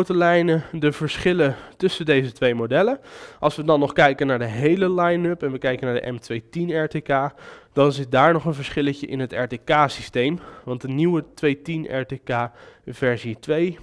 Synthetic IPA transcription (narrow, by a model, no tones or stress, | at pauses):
wtəlɛjnədəvəɹsχɪlətɵsəndejzətʋejmodɛləʔɑlˠsʋədɑnːɔχkɛjkənaːɹdəɦejləlajnɵpɛnʋəkɛjkənaːɹdə̰ʔɛ̰mtʋejtinɛɹtekaːd̥ɑnzɪt̚daːɹnɔχənvəɹsχɪləcəʔɪ̰nɦətɛɹtekaːsistejmʋɑntdəniwətʋejtinʔɛ̰ɹtekaːvɛɹzitʋej